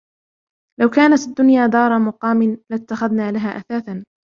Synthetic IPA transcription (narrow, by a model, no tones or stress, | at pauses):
lawkaːnat̪ad̪ːʊnjaːd̪ɑːɾˤɑmʊqɑːmɪnlat̪ːaxaðnaːlaɦaːʔaθaːθan